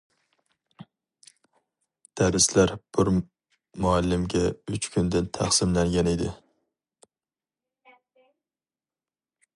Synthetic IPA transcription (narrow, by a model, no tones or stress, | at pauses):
d̪̥aɾɪslaɾb̥ʊɾ | mʊalːɪmɡʲaʊt͡ʃkʰʊnd̪ɪnt̪ʰɑχsɪmlaŋɡʲaned̪ɪ